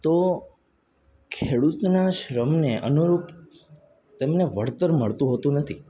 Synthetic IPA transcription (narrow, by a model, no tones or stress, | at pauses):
t̪o | kʰeɽut̪naʃɾəmneʔə̰nuɾup | t̪emneʋəɽt̪əɾməɭt̪ũɦot̪ũnət̪ʰi